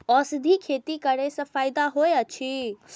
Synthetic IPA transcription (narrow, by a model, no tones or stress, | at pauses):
ɔsd̪ʱikʰet̪ikəɾesə̃pʰaːjd̪aɦoeət͡ʃʰi